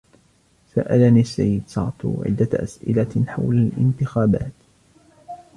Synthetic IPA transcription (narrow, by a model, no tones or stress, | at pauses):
sa̰ʔalaniːsːa̰jːɪd̪sɑʕt̪ˤṵʕɪ̰d̪ːaʔa̰sʔɪ̰laħa̰wlalʔɪ̰nt̪ɪxaːba̰ːt̪